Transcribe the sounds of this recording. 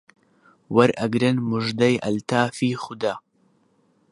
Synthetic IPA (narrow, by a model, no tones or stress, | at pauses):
wɐɾʔɐɡɾɨnmʊʒd̪ɐjʔɐ̰lt̪aːfiːxʊd̪a